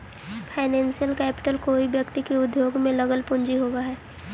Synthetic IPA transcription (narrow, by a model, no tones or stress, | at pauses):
pʰaːɪnɛ̃ːnsijəlkɛːpɪ̥ʈəlkoːibjəkt̪ikeʊd̪joːɡmẽləɡəlpʊ̃ɲd͡ʒiɦoːɡaɦɛː